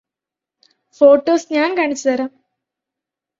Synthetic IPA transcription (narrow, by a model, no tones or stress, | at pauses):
fo̞ːʈːoːsɲaːnkaːɳit͡ɕːɨt̪ɐɾaːm